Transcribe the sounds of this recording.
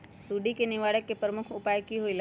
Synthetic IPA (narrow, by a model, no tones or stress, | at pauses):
suːɖikenɪʋaːɽəkːepɾəmʊkʰʊpaːjkiɦoil